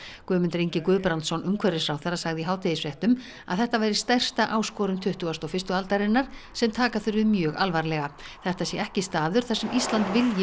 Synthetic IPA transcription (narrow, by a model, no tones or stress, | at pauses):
kʏːmʏnt̪ɾiɲcɪkʏːpɾant̪sɔnʏmkʰvɛɾɪsfɾawθɛɾːasaɣðɪiɦaːwt̪ʰejɪsfɾjɛht̪ʏm | a̰ðθɛht̪avajɾɪst̪ɛr̥st̪aʔaːwskɔːɾʏmt̪ʰʏht̪ʏɣast̪ɔfɪrst̪ʏalt̪aɾɪnːaɾ̥sɛmt̪ʰaːkaθʏɾvɪðmjœːɣalvaɾlɛɣaθɛht̪asjɛɛhcɪst̪aːðʏɾ̥θasɛmʔist̪lant̪vɪljɪ